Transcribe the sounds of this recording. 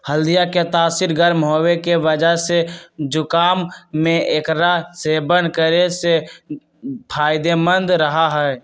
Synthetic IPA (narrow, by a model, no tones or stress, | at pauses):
həld̪ijaket̪aːsiɾɡəɾmɦoːwekeʋəd͡ʒəɦsed͡ʒʊkaːmːẽeːkɾasebənkəɾese | pʰaːɪd̪emə̃nd̪ɾəɦaɦɛː